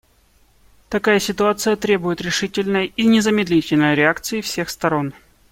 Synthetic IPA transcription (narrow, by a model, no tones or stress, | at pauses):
t̪ɐkajəsʲɪt̪ʊat̪sɨjət̪ɾʲe̞bʊjɪt̪ɾʲɪʂɨtʲɪlʲnəjinʲɪzəmʲɪd̪lʲitʲɪlʲnəjɾʲɪakt̪sɨɪfsʲe̞xst̪ɐɾo̞n